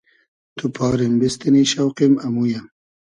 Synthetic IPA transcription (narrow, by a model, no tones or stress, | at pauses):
t̪upʰɑːɾimbist̪iniɕawqimɐmujam